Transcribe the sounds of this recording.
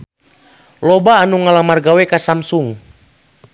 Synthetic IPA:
lɔbaːnuŋalamarɡawɛkasamsuŋ

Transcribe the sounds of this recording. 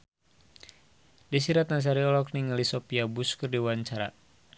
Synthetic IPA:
disiɾat̪nans̬aɾiɔlɔk̚niŋalisɔpiabuskɨrdiwaɲt͡ʃaɾa̰

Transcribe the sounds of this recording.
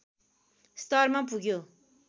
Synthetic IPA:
st̪ʌrmapuɡjo

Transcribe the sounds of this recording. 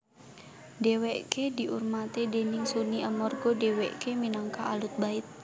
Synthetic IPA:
deweʔkediʔṵrmat̪edenɪŋsuniamɔrɡɔdewɛʔkeminaŋkaːlut̪̚baɪt̪̚

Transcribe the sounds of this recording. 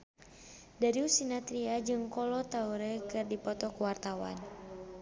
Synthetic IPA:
daɾiusinat̪ɾiad͡ʒɨŋkɔlɔt̪auɾɛkɨrdipɔt̪ɔkuwart̪awa̰n

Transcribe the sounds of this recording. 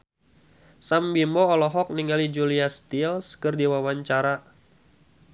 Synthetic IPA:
sambimbɔːlɔɦɔk̚niŋalid͡ʒuliast̪ilskərdiwawaɲt͡ʃaɾa

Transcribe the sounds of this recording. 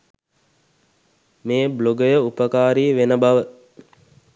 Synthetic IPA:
meːbloɡəjəupəkaːɾiːʋenəbaʋə

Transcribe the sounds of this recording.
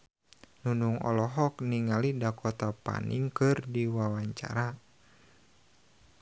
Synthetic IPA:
nunuŋɔ̰lɔɦɔkniŋalidakɔt̪apa̰nḭŋkɨrdiwawaɲt͡ʃa̰ɾa

